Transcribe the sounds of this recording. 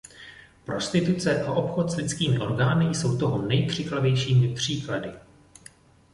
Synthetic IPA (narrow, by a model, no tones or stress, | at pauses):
pɾo̞st̪ɪt̪ut͡sɛʔaʔo̞pxo̞t̪slɪt͡skiːmɪʔo̞ɾɡaːnɪjso̞wt̪o̞ɦonɛjkr̥ɪklavjɛjʃiːmɪpr̝̥iːkladɪ